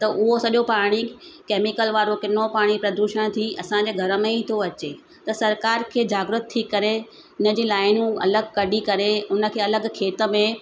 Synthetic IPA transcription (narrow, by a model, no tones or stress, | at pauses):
t̪ɐʔʊɦosɐʄopaːɽ̃ikeːmɪkəlʋaːɾokɪnopaːɽ̃ipɾɐd̪uʃəɽ̃t̪ʰiʔɐ̰sãɲ̆d͡ʑeːɡʱɐɾəmẽit̪ʰoɐt͡ɕe | t̪ɐsɐɾkaːɾkʰeːd͡ʑaːɡɾʊt̪t̪ʰːikɐɾe | ʊnə̆d͡ʑiːlaːɪnũɐ̰ləɡkɐɗikɐɾeʊnə̆kʰeːɐləɡkʰeːt̪ə̆mẽ